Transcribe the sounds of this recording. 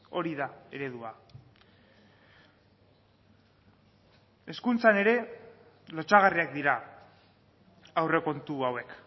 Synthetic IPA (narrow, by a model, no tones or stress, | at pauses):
o̞ɾiðae̞ɾe̞ðua | e̞skunt͡sane̞ɾe̞ | lo̞t͡ʃaɣ̞ariak̚d̪iɾa | awre̞ko̞nt̪uawe̞k